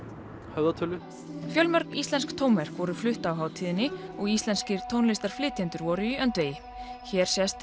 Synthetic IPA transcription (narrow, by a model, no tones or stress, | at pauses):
hɛvðat̪ʰœlʏ | fjœlmœɾkist̪lɛnskt̪ʰoːwnɛɾ̥kvɔɾʏflʏht̪awɦaːwt̪ʰiːðɪnːɪɔɣist̪lɛnscɪɾ̥t̪ʰownlɪst̪aɾ̥flɪːt̪ʰɛnt̪ʏɾvɔːɾʏiœnt̪veːjɪ | çɛːɾ̥sjɛst̪